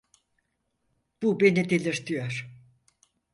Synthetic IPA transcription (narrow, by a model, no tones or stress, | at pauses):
b̥ubenid̪elʲiɾt̪ʰyjøɾ̥